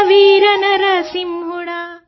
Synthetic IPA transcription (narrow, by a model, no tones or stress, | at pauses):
ʋiːɾɐnɐɾɐsimɦuɽaː